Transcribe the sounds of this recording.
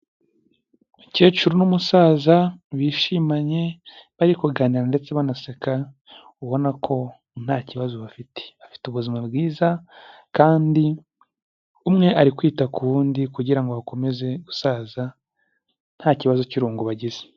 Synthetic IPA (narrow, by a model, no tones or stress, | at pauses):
uce̞ːt͡ʃuɾonumusaːzaβiʃimaɲe̞βaɾikuɡaːniɾande̞t͡se̞βanaseka | uβo̞nakʰo̞ | n̥haːciβazoβafitʰe̥βafi̥tuβuzimabɡiːzakaːndi | umŋe̞ʔaɾikwiːtakuβuːndikuɟiɾaŋɡoβako̞me̞ze̞ɡusaːza | n̥haːciβazociɾuːŋɡoβaɟize̥